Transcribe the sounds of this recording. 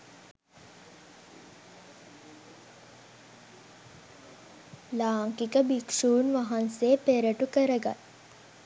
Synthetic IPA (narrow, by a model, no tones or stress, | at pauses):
laːŋkikəbikʂuːnʋaɦanseːpeɾəʈukəɾəɡa̰t